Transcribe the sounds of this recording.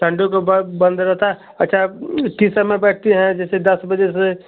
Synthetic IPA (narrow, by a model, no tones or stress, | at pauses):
ʈ̪ʰə̃ɳɖõk̬obbə̃nd̪ɾəɦt̪a | ɐtːʃʰaʈiːsamẽbɛːʈ̚ʰt̪iɦɛ̃d͡ʒɛːsed̪ɐsbəd͡ʒese